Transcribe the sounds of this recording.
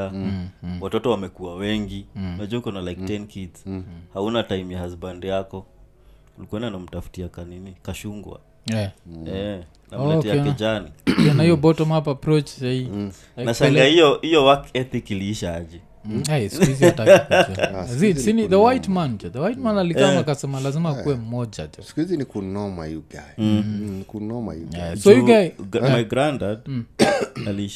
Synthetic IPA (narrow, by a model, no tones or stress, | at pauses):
a | watɔtɔwamɛkuawɛŋɡiɛd͡ʒɛukɔnalajktɛnkidshaunataimjahazbandɛjakɔ | ulikwɛndanam̩tafu̥tiakaninikaʃuŋɡwa̰ | ɛɛ | namatiaɛd͡ʒanijɔnahijɔbɔtɔmapapɾɔt͡ʃzai | anaʃaŋlɡahijɔhijɔwakɛt̪ikiliiʃaad͡ʒi | ɛjsuiziataut͡ʃuazisiniðəwajtmand͡ʒuðəwajtmanalikamakasɛmalazimakuwɛm̩mɔd͡ʒa̰tusi̥kuizinikunɔma̰iuɡa | kunɔma̰ɛsɔjuɡamajɡɾandad̩ | aliiʃa